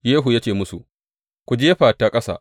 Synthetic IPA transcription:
jeː˦ɦu˨ja˦t͡ʃeː˨mʊ˦su˨ | kʷu˨d͡ʒeː˦ɸaː˨taː˦kʼɐ˦sa̰ː˨

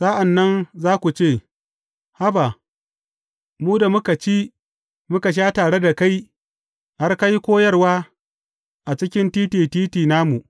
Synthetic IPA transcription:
sa˦ʔa˨nːɐ˦nzaː˦kʷu˨t͡ʃeː˦˨ | ha˦ba˨ | muː˦da˨mʊ˦ka˨t͡ʃi˦ | mʊ˦ka˨ʃ̬aː˦taː˨ɽe˦da˨ka˦j | ha˦rka˦ji˦kʷoː˦jɐ˦rwaː˦ | ʔa˨t͡ʃɪ˦kʲɪ˦ntiː˦tiː˨tiː˦tiː˨naː˦mu˨ʔ

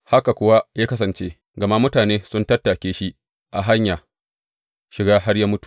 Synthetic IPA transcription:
ha˦ka˨kʷʊ˦wa˦jaː˦kɐ˦sɐ˨nt͡ʃeː˦ | ɡɐ˨ma˦mʊ˦taː˨neː˦sʊ˦ntɐ˦tːa˨kʲeː˦ʃi˦ʔ | ʔa˨ɦa˦ɲjaː˨ | ʃɪ˨ɡaː˦ɦa˦rjaː˦mʊ˦tu̥˨ʔ

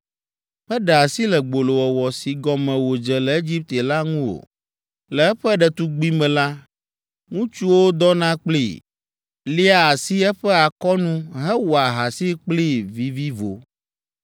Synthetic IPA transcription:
ɸɛ˦ɖɛ˨a˨si˦lɛ˨ɡ͡bo˨lo˨wɔ˨wɔ˨si˨ɡɔ˨mɛ̃˨wo˨d͡ʒɛ˨lɛ˨e˦d͡ʒi˦p̚t̪e˨la˦ŋũ˦wo̰˨ | lɛ˨ɛ˦ɸɛ˦ɖɛ˨t̪u˦ɡ͡bi˦mɛ̃˨la˦ | ŋũ˦t͡ʃu˦wo˦d̪ɔ˦nã˦k͡plḭ˦˨ | li˦a˨a˨si˦ɛ˦ɸɛ˦a˨kɔ˦nũ˦ɦɛ˦wo˨a˨ɦa˨si˦k͡pli˦vi˨vi˦vo̰˨

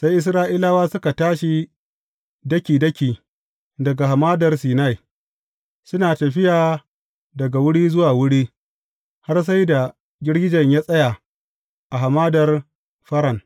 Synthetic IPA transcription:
sa˦jʔɪ˦sɾaː˦ʔi˦laː˦waː˦sʊ˦ka˨taː˦ʃi˨ | dɐ˦kʲiː˨dɐ˦kʲiː˨ | dɐ˨ɡa˨ɦa˨maː˦dɐ˨rsiː˨na˦˨j | sʊ˦naː˨tɐ˨ɸɪ˦jaː˨ | dɐ˨ɡa˨wʊ˦ɽiː˦zʊ˦waː˨wʊ˦ɽiː˦ | ha˦rs̬a˦jda˨ | ɡʲɪ˦ɽɡʲɪ˦d͡ʒɐ˨ɲjaː˦sʼɐ˦ja˨ | ʔa˨ɦa˨maː˦dɐ˨r | ɸɐ˦ɾɐ˨ŋ

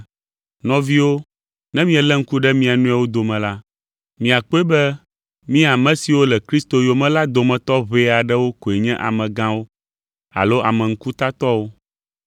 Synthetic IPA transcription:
nɔ̃˨vi˦wo˦ | nɛ̃˦mĩ˦ɛ˨lɛ˦ŋ̩˦ku˦ɖɛ˦mĩ˦a˨nũ˦a˨wo˦d̪o˨mɛ̃˨la˦ | mĩ˨a˨k͡po˦e˦bɛ˦ | mĩ˦a˨mɛ̃˨˦si˨wo˦lɛ˨kɾi˦st̪o˦jo˨mɛ̃˦la˦d̪o˨mɛ̃˨t̪ɔ˦βe˦a˨ɖɛ˦wo˦ko˨e˨ɲɛ̃˦ʔa̰˨mɛ̃˨ɡã˦wo˦ | a̰˨lo˦ʔa˨mɛ̃˨ŋ̩˦ku˦t̪a˦t̪ɔ˦wo˦

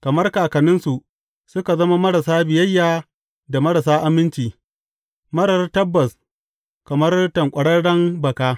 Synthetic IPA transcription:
kɐ˨mɐ˦rkaː˨kɐ˨nɪ˦nsu˨ʔ | sʊ˦ka˨zɐ˦ma˦mɐ˦ɽa˨saː˦bɪ˨jɐ˦jːaː˨ | da˨mɐ˦ɾa˨s̬aː˦ʔa˨mɪ˦nt͡ʃiː˨ | mɐ˦ɽɐ˦rtɐ˦bːɐ˨s | kɐ˨mɐ˦rtɐ˨ŋkʷʼɐ˨ɽɐ˦ɽɐ˦ŋbɐ˨kaː˦

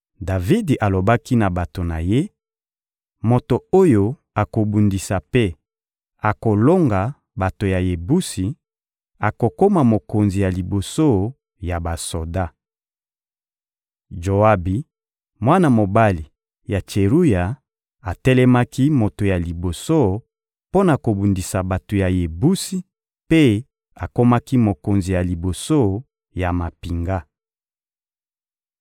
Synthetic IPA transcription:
da˨vi˦dʔa˨lo˨ba˦ki˦na˨ba˨to˨na̰˨je˦ | mo˨to˨o˦jo˦ | a˨ko˨bu˨ndi˨sa˨pe˦ | a˨ko˨lo˦ŋɡa˨ | ba˨to˨ja˨je˨bu˦si˨ | a˨ko˨ko˦ma˨mo˨ko˨nzi˨ja˨li˨bo˨so˦ | ja˨ba˨so˨da˦ | d͡ʒo˨a˦bi˨ | mwa˦na˨mo˨ba˦li˨ | ja˨t͡ʃe˨ʁu˦ja˨ | a˨tɛ˦lɛ˦ma˦ki˦mo˨to˨ja˨li˨bo˨so˦ | po˦na˨ko˨bu˨ndi˨sa˨ba˨to˨ja˨je˨bu˦si˦ | pe˦ | a˨ko˦ma˦ki˦mo˨ko˨nzi˨ja˨li˨bo˨so˦ | ja˨ma˨pi˨ŋɡa˦

